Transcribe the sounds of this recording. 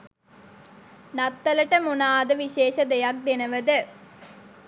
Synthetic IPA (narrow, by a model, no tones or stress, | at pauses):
nat̪ːɐləʈəmunaːd̪əʋiɕeːʃəd̪ejak̚d̪enəʋəd̪ə